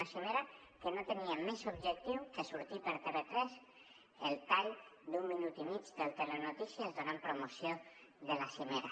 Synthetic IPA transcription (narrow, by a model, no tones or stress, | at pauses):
asimeɾa | kenot̪eniamɛsobʒek̚t̪iwkesuɾt̪ipeɾt̪eret̪ɾɛs | elt̪aʎd̪umːinut̪imit͡ʃd̪elt̪erenot̪isjazðonampɾomosjo | ðelasimeɾa